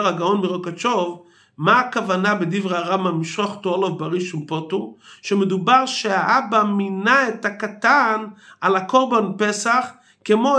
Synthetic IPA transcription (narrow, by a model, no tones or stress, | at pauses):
ʁaɡaonmiʁokat͡ʃov | maːkavanabedivʁeaʁamamiʃʁoχtoolovbaʁiʃumpotumʃemedubaʁʃeaʔabaminaethakatanalakoʁbanpesaχ | kemo